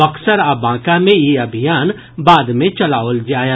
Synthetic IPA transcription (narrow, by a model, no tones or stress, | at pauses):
ɐksəɾaːbãːkamẽjeɐbʱijaːn | baːd̪mẽt͡ʃɐlaːold͡ʒaːja